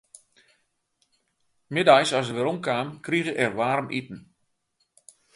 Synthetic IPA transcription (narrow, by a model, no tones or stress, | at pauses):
mɪdajsɔsəʋɪɾomkaːmkriɣəʔɛrʋaːɾəmʔḭtn̩